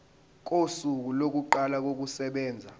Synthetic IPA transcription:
k̬ʼosuk̬ulok̬uǃalak̬ok̬usɛɓɛːnd͡zʱa

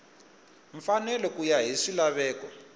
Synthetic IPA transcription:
ɱfanɛlɔkujaɦiʂilaβɛːkɔ

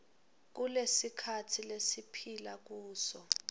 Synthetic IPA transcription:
k̬ulesikʰatʰilesipʰilak̬uːsɔ

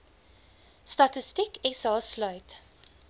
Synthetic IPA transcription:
st̪ɑt̪ɪst̪ɪkɛsɑːslœʏt̪

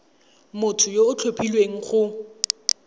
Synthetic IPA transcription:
mʊtʰʊjoʊt͡ɬʰopʰilweŋ̩χʊ

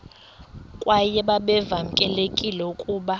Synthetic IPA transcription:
kʼwajɛɓaɓɛvam̩kʼɛlekʼilɛukʼuːɓa

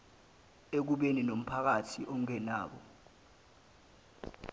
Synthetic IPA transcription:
ek̬uɓeninom̩pʰak̬atʰiʔɔŋɛnaːɓɔ̰

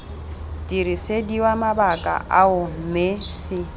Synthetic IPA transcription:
dʼiɾisediwamabakʼa̰ʔaʊm̩mesɪ

